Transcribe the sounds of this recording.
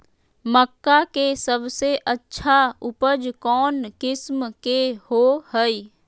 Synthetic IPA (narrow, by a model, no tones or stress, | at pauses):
məkːakesəbseʔətːʃʰaʊpəd͡ʒkɔːnkɪsmkehohəi